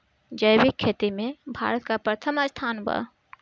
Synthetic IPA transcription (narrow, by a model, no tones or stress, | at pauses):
d͡ʒəjbikʰːet̪imẽbʱa̰ːɾət̪kapɾət̪ʰəmast̪ʰaːnba̰